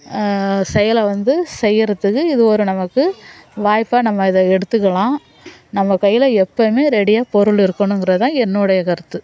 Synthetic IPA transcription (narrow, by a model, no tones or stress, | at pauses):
sɛjɐlɐʋɐnd̪ɯsɛjːɪɾɐt̪ːɯkːɯɪðɯɔɾɯnɐmɐkːɯʋaːjpːaːnɐmːɐɪðɐɛɽɯt̪ːɯkːɐɭãː | nɐmːɐkɐjːɪlɐɛpːɐmeːɾɛɽɪjaːpɔɾɯɭɪɾɯkːɐnʊ̃ɛŋɡɪɾɐðɯt̪ãːɛnːɯɽɐjɐkɐɾɯt̪ːɯ